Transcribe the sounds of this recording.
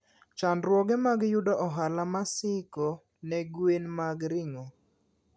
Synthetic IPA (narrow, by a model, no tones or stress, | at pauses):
t͡ʃandɾwɔɡɛmaɡjʊdɔʔɔɦalamasɪkɔ | nɛɡwenmaɡɾɪŋo